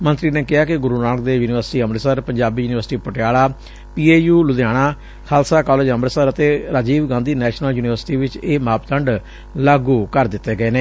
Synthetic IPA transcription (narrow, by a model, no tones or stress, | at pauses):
mənt̪ɾiːneːkɪɦaːkɪɡʊɾuːnaːlkd̪eːjuːnɪʋəɾsʈiːəmɾəsəɾpəɲd͡ʒaːbiːjuːnɪʋəɾsʈiːpəʈɪjaːlaː | piːeːjuːlʊd̪ɪjaːɽ̃aː | kʰaːlsaːkɔːleːd͡ʒəmɾəsəɾət̪eːɾaːd͡ʒiːʋɡãːnd̪iːnɛːʃnəljuːnɪʋəɾsʈiːʋɪt͡ʃeːmaːpt̪əɳɖ | laːɡuːkəɾd̪ɪt̪ːeːɡəeːneː